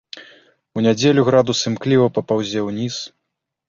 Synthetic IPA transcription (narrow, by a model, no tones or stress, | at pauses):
unʲad͡zʲelʲuɣɾad̪usɨmklʲivɐpɐpawzʲɛwnʲis